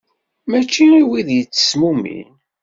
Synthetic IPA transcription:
mæt͡ʃːiiwiðjət͡sːə̥smumḭ

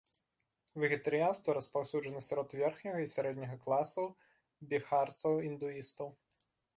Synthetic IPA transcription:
vʲɛɣʲɛt̪ɐɾɨjanst̪vɐɾɐspawsʲud͡ʐɐnɐsʲaɾɔt̪vʲɛrxnʲɐɣɐisʲaɾɛd̪ʲnʲɐɣɐklˠasɐw | bʲixart̪sɐwind̪uist̪ɐw

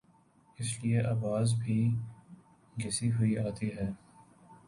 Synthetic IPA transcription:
ɪslieʔɐːbaːzbʱiː | ɡɪsiɦʊiaːt̪iɦɛː

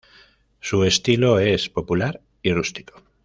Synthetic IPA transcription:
sue̞st̪ilo̞e̞spo̞pulaɾ | irust̪i̥ko̥

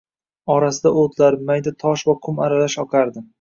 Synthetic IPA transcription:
ɒɾasɪd̪aot̪laɾmajd̪at̪ʰɒʃvakʰʊmaɾalaʃɒqʰaɾd̪ɪm

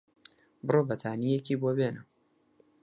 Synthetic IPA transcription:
bɨrobɐt̪ʰaːnijekibobeːnɨ

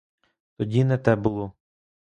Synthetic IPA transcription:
t̪ɔdʲinɛt̪ɛbʊlˠɔ

